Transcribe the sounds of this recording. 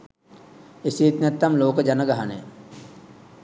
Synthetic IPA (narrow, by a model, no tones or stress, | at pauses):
esijet̪nɛt̪ːamloːkəd͡ʒanəɡaɦanḛ